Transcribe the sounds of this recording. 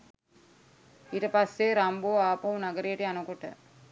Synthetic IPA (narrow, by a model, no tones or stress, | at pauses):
iːʈəpasːeɾamboːaːpɐɦunaɡəɾejeʈəjanəkoʈə̰